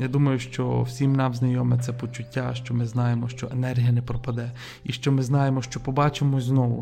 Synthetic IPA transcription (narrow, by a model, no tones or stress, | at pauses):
jad̪umɐjʊʃt͡ʃɔwsʲimnɑmznɐjɔmet̪sʲɛpɔt͡ʃʊtʲːaʃt͡ʃɔmɪznɑjemɔʃt͡ʃɔʔenɛrɦijɐnɛpɾɔpɐd̪ɛ | iʃt͡ʃɔmɪznɑjemɔʃt͡ʃɔpɔbɑt͡ʃemɔznɔʋʊ̰